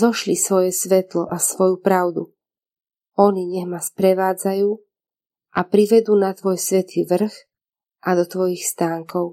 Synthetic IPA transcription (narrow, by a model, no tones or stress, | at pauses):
zɔʃlisʋɔjɛsʋɛt̪lɔ̰ʔasʋɔjupɾaʊd̪u | ɔɲiɲɛɦmaspɾɛʋaːd͡zajuː | ʔapɾiʋɛd̪uːnat̪ʋɔjsʋɛt̪ʰiːʋr̩x | ʔad̪ɔt̪ʋɔjixst̪aːŋkɔʊ